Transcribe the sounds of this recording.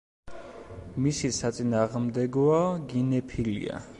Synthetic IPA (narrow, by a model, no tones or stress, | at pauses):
misisat̪sʼinaːʁmd̪ɛɡɔaɡinɛpʰilḭa̰